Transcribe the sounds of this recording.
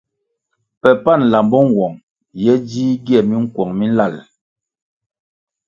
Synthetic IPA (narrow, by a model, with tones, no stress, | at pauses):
pɛ˨pa˦˨n˨la˨mbɔ˦ŋ˨ɡwɔ˨ŋ | jɛ˦d͡ʒiː˦ɡi˦ɛ˨mi˦ŋ̩˦kwɔ˨ŋmi˦n˦la˦˨l